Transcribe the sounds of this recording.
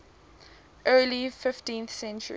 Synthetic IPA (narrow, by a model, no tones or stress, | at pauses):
ʔɜːlifɪftĩnθsɛ̃nt͡ʃə̰ɹ